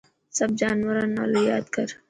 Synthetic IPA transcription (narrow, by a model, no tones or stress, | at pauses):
sɐb̚d͡ʒaːnwɐɾãːnːa̰ːlojaːd̪kɐɾ